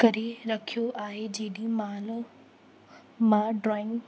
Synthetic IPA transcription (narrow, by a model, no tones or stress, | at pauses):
kɐɾiɾɐkʰijoʔaːɦed͡ʑiːɗimaːl | mãɖɾɔːɪ̃ŋɡ